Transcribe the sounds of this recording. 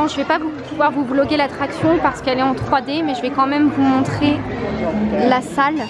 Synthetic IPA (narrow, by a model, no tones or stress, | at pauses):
ɔ̃ʒəvɛpavupuvwaʁvublɔɡʲelat̪χaksjɔ̃paʁsə̥kɛlɛɑ̃t̪χwad̪emɛʒəvɛkɑ̃mɛmvumɔ̃t̪χe | lasal